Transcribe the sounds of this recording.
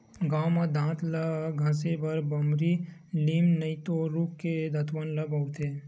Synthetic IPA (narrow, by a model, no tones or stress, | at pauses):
ɡaːwmad̪ãːt̪laɡʱãːsebɐɾbɐmɾiliːmnəit̪oɾuːkːed̪ʱɐt̪wənlɐbʱɐwt̪ʰeː